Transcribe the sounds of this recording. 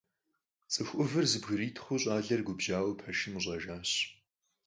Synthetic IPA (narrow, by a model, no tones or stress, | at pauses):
t͡sʼɨxʷʔʊvɨrzɨbɣɨɾiːtʰχʷʊɕʼaːɮɐrɡʷʊbʒaːwpʰɐʃɪmɨɕʷʼɐʒaːɕ